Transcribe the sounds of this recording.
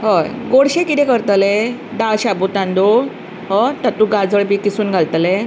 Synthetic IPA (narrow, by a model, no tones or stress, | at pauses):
ɦəjɡoɽɕẽkit̪ẽkəɾt̪led̪aɭɕabut̪ãnd̪o | ɦət̪at̪ũɡad͡zəɭbikisuːnɡʱalt̪le